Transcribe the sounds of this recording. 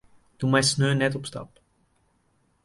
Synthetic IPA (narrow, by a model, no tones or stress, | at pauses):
d̥umɛjsnøːnɛtɔpstɑ̰p